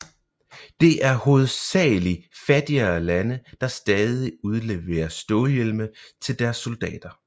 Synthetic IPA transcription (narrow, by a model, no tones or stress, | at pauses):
d̥e̝ʔæɐhoð̞ˠsɛ̰ːlifæd̥iɐlænəd̥ɑ̈sd̥ɛːð̞ˠiuð̞ˠle̝ʋḛːɐsd̥ɔːljelmət͡sʰe̝ld̥æɐsːo̝ld̥ɛ̰ːd̥ɐ